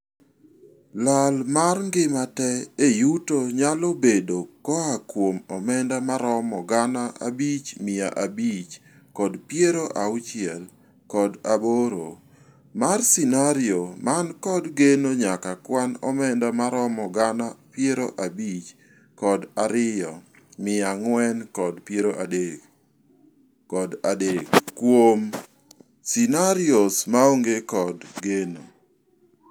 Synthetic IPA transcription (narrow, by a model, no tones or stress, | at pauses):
lalmarŋɡɪmatɛejutoɲalobedokɔakwomɔmɛndamaɾɔmɔɡanaa̰bit͡ʃmɪa̰ʔabit͡ʃ | kɔdpjeɾoʔaʊt͡ʃɪɛl | kɔdaboɾo̰ | marsinaɾɪomankɔdɡenoɲakakwanɔ̰mɛndamaɾɔmɔɡanapjeɾoʔabit͡ʃ | kɔdaɾɪjɔ | mɪaŋwɛnkɔdpjeɾoʔade | ɔdadekːwom | sinaɾɪosmaoŋɡekɔdɡeno